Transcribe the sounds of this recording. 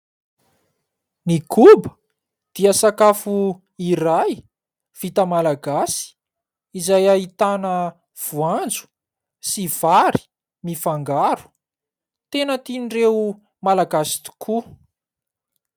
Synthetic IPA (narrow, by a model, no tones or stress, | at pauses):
nikʰubə | d̪̥iəsakafu | iɾaj | v̥it̪əmalaɡasi̥ | izajaɦit̪anə | v̥uand͡zu̥ | siv̥aɾi̥ | mifaŋɡaɾu̥ | t̪enət̪inire | malaɡasi̥t̪u̥kʰu